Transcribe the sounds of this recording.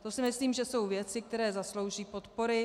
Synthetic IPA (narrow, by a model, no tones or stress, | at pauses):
t̪o̞sɪmɪsliːmʒɛso̞wvjɛt͡sɪk̚t̪ɛɾɛːzaslo̞wʒiːpo̞t̪po̞ɾɪ